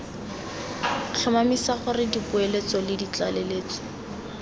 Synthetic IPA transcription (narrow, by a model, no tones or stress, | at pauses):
t͡ɬʰʊmamisaχʊrɪdipʊelet͡sɔlɪdit͡ɬaleleːt͡sɔ̥